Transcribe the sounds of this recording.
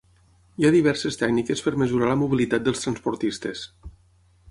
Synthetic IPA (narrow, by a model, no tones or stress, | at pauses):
iaðiβ̞ɛrsest̪ɛɡnikespəɾməzuɾaləmuβilit̪at̪̚d̪əlst̪ɾənspuɾt̪ist̪es